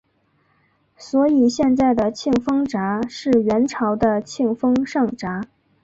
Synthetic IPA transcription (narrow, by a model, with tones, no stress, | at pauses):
swɔ˧˥i˨˩ɕjɛ˥˧nt͡sa˥˩ɪd̪ə˩t͡ɕʰi˥˩ŋfɤ˥ŋʈ͡ʂa˧˥ʂɻ̩˥˩ɥɛ˧˥nʈ͡ʂʰɑ˧˥ʊd̪ə˧t͡ɕʰi˥˩ŋfɤ˥ŋʂɑ˥˩ŋʈ͡ʂa˧˥